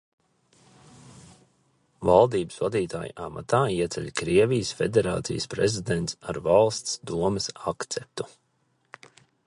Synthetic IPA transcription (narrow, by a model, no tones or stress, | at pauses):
valˠd̪iːbɨsvad̪iːt̪a̰ːjṵʔama̰t̪aːiɛt̪sɛ̰lʲkɾiɛvijəsfed̪ʲeɾa̰ːt̪sḭjəspɾezid̪ent̪saɾvalˠst̪sd̪uɔməsakt̪sɛp̚t̪u̥